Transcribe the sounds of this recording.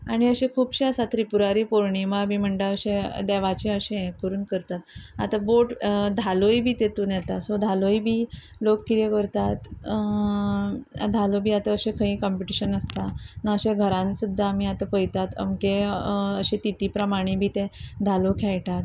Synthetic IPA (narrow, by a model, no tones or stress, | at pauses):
aɽ̃iəɕekʰuːbɕeəsat̪ɾipuɾaɾiːpoɾɳiməabiːm̤əɳʈ̪əəɕẽd̪ɛʋat͡ɕẽəɕẽẽkəɾuːnkəɾt̪at̪a̰t̪aboʈd̪ʱalojbʱiːt̪et̪unjɛt̪asod̪ʱalojbʱiː | lokːit̪ekəɾt̪at̪ | d̪ʱalobʱiːat̪əəɕekʰəɦĩːkɔmpiʈiɕənəst̪anaəɕẽɡʱəɾãnsud̪ʱːaamiːat̪apəjt̪at̪ə̰mkeəɕẽt̪it̪iːpɾəmaɽ̃ibʱiːt̪ẽd̪ʱalokʰɛɭʈat̪